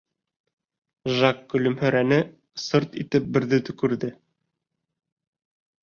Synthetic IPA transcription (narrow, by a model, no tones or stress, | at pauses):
ʒɑkːɵ̆lɵ̆mhɵ̆ɾænɘ | sɤɾt̪ḭt̪ɘp̚bɘ̆ɾðɘt̪ɵ̆kɵ̆ɾðɘ